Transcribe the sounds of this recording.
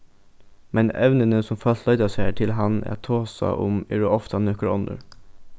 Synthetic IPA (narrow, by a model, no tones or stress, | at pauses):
mʔɛnɛʋnənəsɔmfɑlt̪lɑʏd̪ɑseːʈʰɪlɦɑnæ̰ːt̪ʰoːsɑ̰ʔʊmɪɹəɔft̪ʰɑnøːkəɹɔnd̪ə̰ɹ